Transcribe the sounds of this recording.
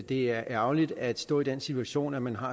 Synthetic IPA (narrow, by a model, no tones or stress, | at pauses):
d̥e̝æɐʔæʊlid̥æd̥sd̥ɔ̰̽ːid̥ensit͡sʰuæɕo̝̰ːnæmænɦɑ̈